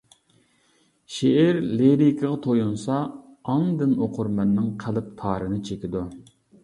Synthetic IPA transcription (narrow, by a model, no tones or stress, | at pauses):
ʃeɛɾleɾikʲʰɪʁɑt̪ʰojunsɑːŋd̪ɪnoqʰʊɾmɛnːɨŋqʰælˠɪp̚t̪ʰɑːɾɨnɨt͡ʃʰekʲid̪u